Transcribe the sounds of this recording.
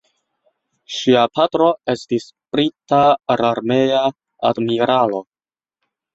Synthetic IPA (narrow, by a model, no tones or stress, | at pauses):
ʃiapʰatɾo̞e̞stis | pɾitaɾaɾme̞ja | a̰dmiɾalo̞